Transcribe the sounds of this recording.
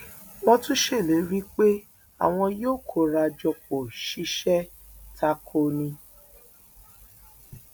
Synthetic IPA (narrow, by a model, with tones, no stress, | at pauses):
wɔ̃˦tũ˦ʃe˦˨le˨˦ɾi˦k͡pe˦ | a̰˨w̃ɔ̃˧joː˦˨kʰo˧˨ɾa˧d͡ʒɔ˧k͡po˨ʃi˨˦ʃɛ˦ | tʰa˧kʰo˧nĩ˧